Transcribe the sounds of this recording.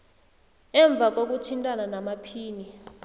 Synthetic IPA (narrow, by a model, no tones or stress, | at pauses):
ɛɱb̪vʱak̬ʼok̬ʼutʰintʼananamapʰiːni